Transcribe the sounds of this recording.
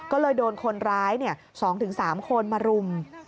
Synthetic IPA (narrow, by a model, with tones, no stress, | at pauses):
kɔː˥˩lɤː˧jdoː˧nkʰo˧nɾaː˦˥jni˥˩ɐ | sɔː˩˦ŋt̪ʰɯ˩˦ŋsaː˩˦mkʰo˧nmaː˧ɾu˧m